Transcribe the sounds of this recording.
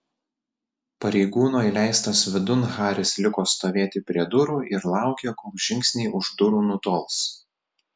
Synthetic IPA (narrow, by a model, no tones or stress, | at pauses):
pɐɾʲɛɪɡuːnoːilʲæˑɪst̪ɐsʋʲɪd̪ʊnɣɑːɾʲɪslʲɪkoːst̪oːʋʲeːt̪ʲɪpʲɾʲiɛd̪ʊɾuːɪɾlˠɑˑʊkʲɛkolʒʲɪŋʲksʲnʲɛːʔʊʒd̪ʊɾuːnʊt̪oːlˠs